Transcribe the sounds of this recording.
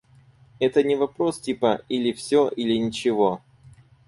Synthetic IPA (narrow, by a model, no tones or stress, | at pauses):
ɛt̪ənʲɪvɐpɾo̞stʲipəilʲɪfsʲoʔilʲɪnʲɪt͡ɕɪvo̞